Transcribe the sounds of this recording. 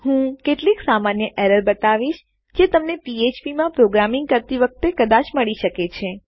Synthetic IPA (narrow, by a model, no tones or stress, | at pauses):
hũkeʈliksamanjəʔɛɾəɾbət̪aʋiʃ | d͡ʒet̪əmnepiet͡ʃpimãpɾoɡɾamĩŋɡ̚kəɾt̪iʋək̚t̪ekəd̪aʃməɭiʃəket͡ʃʰe